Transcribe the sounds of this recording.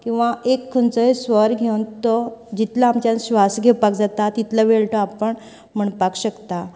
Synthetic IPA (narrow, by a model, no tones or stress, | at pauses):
kĩw̃ʋaekʰːənt͡səesʋəɾɡʱewnt̪ɔd͡ʑit̪laːmt͡ɕjãnɕʋasɡʱepak̚d͡zat̪at̪it̪ləʋeɭʈəapəɳ | m̤əɳpakɕəkt̪a